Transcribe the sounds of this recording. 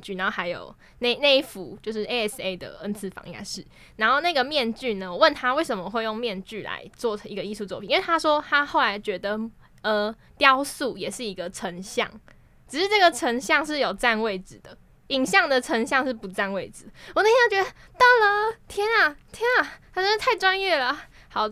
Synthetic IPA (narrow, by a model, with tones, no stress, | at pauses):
t͡ɕy˥˩na˧˦nxo˥˩a˧˥ɪjo̰˨˩ʊ | ne˥˩ɪne˥˧ɪifu˨˦t͡ɕjo˥˧ʊʂɻ̩˥˩ʔe˧ɪɛ˥se˥ɪd̪ə̰˨ə˧˥nt͡s̩ʰ˥˩fɑ̰˧˥ŋja̰˥˧˩ʂɻ̩˥˩ | na˧˥nxo˥˧ʊna˥˩ɡə˩mjɛ˥˧nt͡ɕy˥˨nə˩wɔ˨˦wə˥˩nt̪ʰa˥we˥˩ɪʂə˨˩mə˨xwe˥˧ɪjo˥˧ŋmjɛ˥˧nt͡ɕy˥˨la̰˧˦ɪt͡swɔ˥˩˨i˧˥ɡə˧i˥˧su˥˧t͡swɔ˥˩pʰi˨˧˦we˥˩t̪ʰa˥ʂwɔ˥t̪ʰa˥xo˥˩ʊla˧˥ɪt͡ɕɥɛ˧˥d̪ə˨ | ə˩ | t̪jɑ˦ʊsu˥˩jɛ˨˩ʂɻ̩˥˩i˧˥ɡə˧ʈ͡ʂʰə˧˥ŋɕjɑ̰˥˩ŋ | ʈ͡ʂɻ̩˨˩ʂɻ̩˥˧ʈ͡ʂə˥˩ɡə˨˩ʈ͡ʂʰə˧˥ŋɕjɑ˥˧ŋʂɻ̩˥˩jo˨˩ʊt͡sa˥˧nwe˥˩ɪd͡zɹ̩˨˩d̪ə˩ | i˨˩ŋɕjɑ˥˩ŋd̪ə˩ʈ͡ʂʰə˧˥ŋɕjɑ˥˧ŋʂɻ̩˥˩pu˧˥t͡sa˥˧nwe˥˩ɪd͡zɹ̩˨˩wɔ˨˩n˥˩˥t͡ɕɥɛ˧˥d̪ə˧ | t̪ɑ˥˩ʊlə˨t̪ʰjɛ˥nɐ˨t̪ʰjɛ˥nɐ˨˩a˥ə˧˥ʂ̩˥t̪ʰa˥˩ɪʈ͡ʂwa˥njɛ˥˩lə˩ | xɑ˨˩ʊ